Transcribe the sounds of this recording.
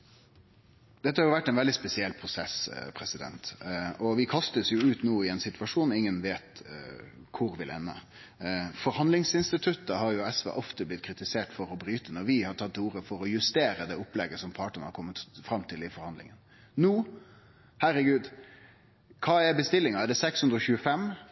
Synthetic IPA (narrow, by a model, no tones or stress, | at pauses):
d̪̥ɛt̪ːəhɑɾjʊʋæʈːɛnʋɛld̪ɪspɛsɪɛlːpʰɾʊsɛspʰɾɛsɪd̪ɛ̰nt̪ɔʋɪkʰɑst̪əsjʊʉːt̪nuːɪɛnsɪt̪ʋɑʂuːnɪŋːənʋeːt̪ | kʰʊɾʋɪlʔɛ̰nːə̰ | fɔɾhɑnlɪŋsɪnst̪ɪt̪ʰʉt̪ːəhɑɾjʊɛsʋɛ̰ːʔɔft̪əblɪt̪̚kʰɾɪt̪ɪseːʈfɔɾɔbɾyːt̪ənɔɾʋɪhɑʈʰɑt̪ʰːuːɾəfɔɾɔjʉst̪eːɾəd̪ɛːɔplɛɡːəsɔmpʰɑːʈəɳə̰hɑ̰ɾkʰɔmːət̪fɾɑmːt̪ʰɪlɪfɔɾhɑnd̪lɪ̰ŋən | nuː | hæɾəɡʉːd̪ | kʰɑːɛɾbəst̪ɪlːɪŋɑɛɖɛsɛkshʉnd̪ɾɔçʉːəfɛm